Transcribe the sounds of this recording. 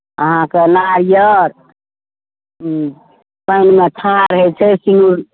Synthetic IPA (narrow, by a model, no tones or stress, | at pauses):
əɦãkenaɾijəɾ | pəjnmet̪ʰãɾəɦɛt͡ʃʰɛsiŋɡuɾ